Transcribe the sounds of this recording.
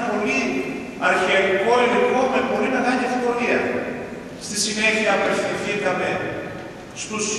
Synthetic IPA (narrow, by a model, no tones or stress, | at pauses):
po̞li | ɐɾçiɐɾiko̞iliko̞mebo̞ɾinɐkɐɲiefko̞ɾiɐ | st̪isine̞çiɐːpe̞fθiθikɐme̞ | st̪us